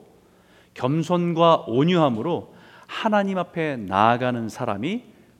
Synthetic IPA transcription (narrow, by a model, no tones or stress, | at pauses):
kjʌmsʰʌnɡwaoɲuɦamɯɾo | hanaɲimapʰe̞naːɡanɯnsʰaɾami